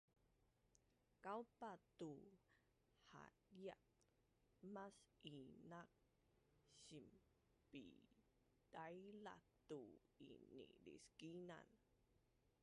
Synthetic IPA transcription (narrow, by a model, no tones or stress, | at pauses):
kawpat̪u | ha̰ | ja̰ | masinak̚ | ɕim | pḭ | d̥ajla̰t̪uḭnḭdḭskina̰n